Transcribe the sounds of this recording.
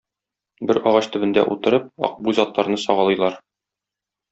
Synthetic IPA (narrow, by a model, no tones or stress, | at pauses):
bɘɾɒʁɑɕt̪ɵ̆bɘ̆nd̪æ̰ʔut̪ɤ̆ɾɤp̚ɒ̰q̚buzɒt̪lˠɑɾnɤsɒʁɑlˠɤ̆jlˠɑɾ